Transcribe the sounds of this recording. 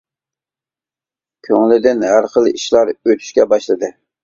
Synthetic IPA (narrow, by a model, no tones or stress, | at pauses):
kʲʰøŋlɪd̪ɪnɦæɾqəlˠʔiʃlˠɑɾøt̪ʰy̥ʃkʲɛbɑʃlˠɨd̪ɨ